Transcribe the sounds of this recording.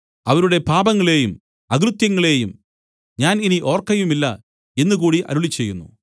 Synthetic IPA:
ɐʋɐɾuɽe̞paːbɐŋːɐɭe̞ːjum | ɐɡɾut̪jɐŋːɐɭe̞ːjum | ɲaːniniʔo̞ːrkːɐjumilːɐ | e̞nːukuːɽiʔɐ̰ɾuɭit͡ɕːe̞jːunːṵ

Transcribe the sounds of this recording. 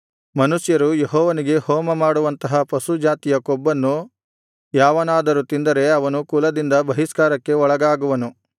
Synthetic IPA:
mɐnuʃjɐɾujeɦɔːʋɐniɡe̞hɔːmɐmaːɽuʋɐnt̪ɐɦɐpɐsud͡ʒaːt̪ijɐkɔbːɐnːu | jaːʋɐnaːd̪ɐɾut̪ind̪ɐɾe̞ɐʋɐnukuːlɐd̪ind̪ɐbɐɦiskaːɾɐkːe̞ɔɭɐɡaːɡuʋɐnu

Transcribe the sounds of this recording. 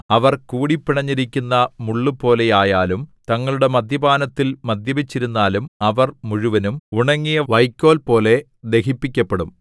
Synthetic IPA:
ɐʋɐrkuːɽipːiɳɐɲːiɾikʲːunːɐmuɭːupo̞ːle̞jaːjaːlumt̪ɐŋːɐɭuɽe̞mɐd̪ʱjɐbaːnɐt̪ːilmɐd̪ʱjɐbit͡ɕːiɾunːaːlumɐʋɐrmuɻuʋɐnumuɳɐŋːijɐʋɐjkʲːo̞ːlpo̞ːle̞ | d̪e̞hipːikʲːɐpːe̞ɽum

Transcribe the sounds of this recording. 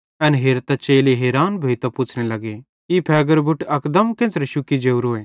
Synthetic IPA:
ɛnɦeːɾt̪at͡ʃeːliɦeːɾaːnbʱoit̪aput͡ʃʰnelɐɡe | ipʰɛːɡəɾbʱʊʈɐkd̪əmkẽnt͡sɾeʃʊkid͡ʒeːuɾoːeː

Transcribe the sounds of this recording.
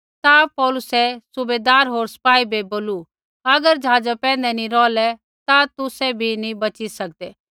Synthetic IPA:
t̪apɔːlʊsɛsʊbeːd̪aːɾɦoːɾsɐ̥paːibʱeboːlu | ɐɡəɾd͡ʒɦaːd͡ʒapɛ̃ːn̆d̪ɛnĩɾɔːlɛ | t̪at̪ʊsɛbʱinĩbɐt͡ʃisɐk̚d̪ɛː

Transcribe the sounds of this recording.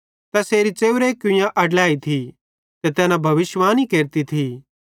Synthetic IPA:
t̪ɐseːɾit͡ʃeːɾekʊ̃jãʔɐɖlaːit̪ʰi | t̪et̪ɛːnãbʱɐʋɪsʋaːnikeːɾt̪it̪ʰi

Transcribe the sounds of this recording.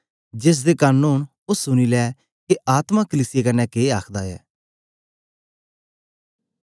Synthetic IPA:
d͡ʒes̬d̪eːkaːnuːn | ʊsːʊnilɛː | keaːt̪mãkəliːsɪjekənːɛːkeːaːkʰd̪aːɛ̰ː

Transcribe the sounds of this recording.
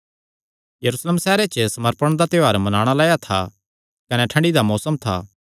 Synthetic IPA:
jɐɾuːsləmsɛːɾet͡ʃəsɐməɾpəɽ̃d̪at̪ɪaːɾmɐnaːɽ̃alaːjat̪ʰa | kɐnɛʈʰɐ̃ɳɖid̪amɔːsəmt̪ʰa̰ː

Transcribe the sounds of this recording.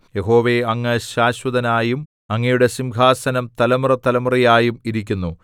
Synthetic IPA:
je̞ɦo̞ːʋeɐŋːɐɕaːɕwɐd̪ɐnaːjum | ɐŋːɐjuɽe̞simɡʱaːsɐnɐmt̪ɐlɐmrɐt̪ɐlɐmrijaːjumiɾikʲːunːu

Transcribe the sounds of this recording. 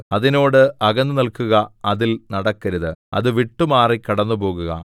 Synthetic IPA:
ɐðino̞ːɽɨʔɐɣɐnːɨnɐlkuɣɐɐðilnɐɽɐkːɐɾuðɨɐ̰ðɨʋiʈːumaːrikːɐɽɐnːupo̞ːɣuɣɐ̰

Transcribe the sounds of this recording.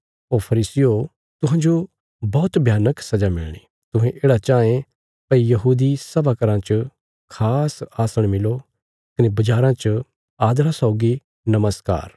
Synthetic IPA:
oːɾpʰɐɾiːsɪjo | t̪ʊɦãːd͡ʒo | bɔːt̪bʱjaːnəksɐd͡ʒamɪ̰lɽ̃ḭ | t̪ʊ̃ɦẽʔeːɽat͡ʃaːẽ | pɐijɐɦuːd̪isɐbakəɾãt͡ʃ | kʰaːsaːsəɽ̃mɪlo | kɐnebɐd͡ʒaːɾãt͡ʃ | aːd̪ɾasɔːɡi | nɐməska̰ːɾ

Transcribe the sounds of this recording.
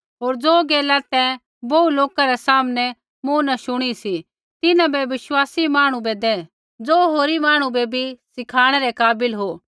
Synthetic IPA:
ɦoːɾd͡zoːɡeːlat̪ɛ̃ | boːuloːkaɾɛsaːmnɛ | mũːnaʃʊɽ̃isi | t̪ɪnãbɛʋɪʃwaːsimaːɽ̃ũbɛd̪ɛ | d͡zoːɦoːɾimaːɽ̃ũbɛbʱisɪkʰaːɽ̃ɛɾɛkaːbɪlɦoː

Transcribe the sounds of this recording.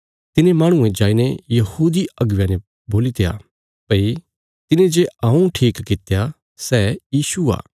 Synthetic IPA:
t̪ɪnẽmaːɽ̃ʊ̃ẽd͡ʒaːinejɐhuːd̪iɐɡʋjãne | boːlit̪eja̰ː | pɐi | t̪ɪnẽd͡ʒeɐũʈʰiːkːɪt̪eja | sɛːjiːsua̰ː

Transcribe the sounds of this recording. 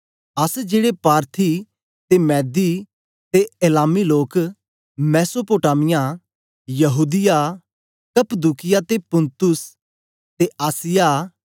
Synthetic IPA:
əsd͡ʒeːɽepaːɾt̪ʰi | t̪emɛːd̪i | t̪eelaːmiloːk | mɛːsopoːʈaːmɪjãː | jəɦuːd̪ɪjaː | kəpəd̪uːkɪjat̪epʊ̃nt̪ʊs | t̪eːʔaːsɪjaː

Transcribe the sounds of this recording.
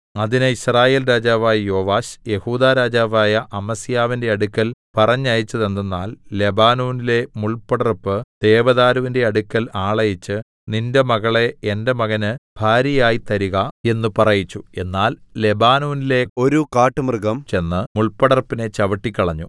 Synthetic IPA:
ɐðinɨiɕraːje̞ːlɾaːd͡ʑaːʋaːjɐjo̞ːʋaːɕje̞huːd̪aːɾaːd͡ʑaːʋaːjɐʔɐmɐsijaːʋinde̞ɐɽukːɐlpɐrɐɲːɐjit͡ɕːɐðe̞nd̪enːa̰ːlle̞baːnoːnile̞muɭpɐɽɐrpːɨd̪̥e̞ːʋɐðaːɾɐʋinde̞ɐɽukːɐlaːɭɐjit͡ɕːɨ | ninde̞mɐɣɐɭe̞endemɐɣɐnɨb̥ʱaːɾɐjaːjit̪ɐɾiɣɐe̞nːupɐrɐjit͡ɕːue̞nːaːlle̞baːnoːnile̞o̞ɾukaːʈːɨmrɨɡɐmt͡ɕe̞nːɨmuɭpɐɽɐrpːine̞t͡ɕɐʋɐʈːikʲːɐɭɐɲːṵ

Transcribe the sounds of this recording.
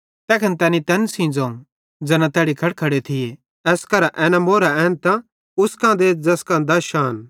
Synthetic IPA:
t̪ɛːkʰɐnt̪ɛːnit̪ɛ̃ːnsĩd͡zõũ | d͡zɐnãt̪ɛːɽikʰɐɽkʰɐɽet̪ʰɪje | ɛːskɐɾaʔɛːnãmoːɾaɛːnt̪ã | ʊskãd̪eːd͡zɐskãd̪aʃaːn

